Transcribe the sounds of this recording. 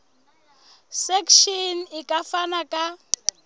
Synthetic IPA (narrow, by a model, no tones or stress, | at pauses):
sɛkʃɔn̩ikʼafanakʼa